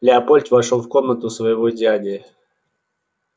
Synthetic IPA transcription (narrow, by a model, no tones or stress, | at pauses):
lʲɪɐpolʲt̪ʲvɐʂolˠfkomnət̪ʊsvəjɪvodʲad̪ʲɪə